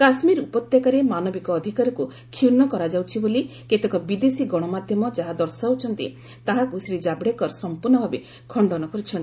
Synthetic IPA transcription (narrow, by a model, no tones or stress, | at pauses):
kasmiɾupɔt̪jakaɾemanɔbikɔːd̪ʱikaɾɔku | kʰinɔkɔɾad͡ʒawt͡ʃʰiboli | ket̪ekɔbid̪esiɡɔɽ̃ɔmad̪ʱjɔmɔd͡ʒaɦad̪ɔɾsaut͡ʃʰɔnt̪ḭ | t̪aɦakusɾid͡ʒabɽekɔɾsɔmpuɾnɔbʱabe | kʰɔɳɖɔnɔkɔɾut͡ʃʰɔnt̪i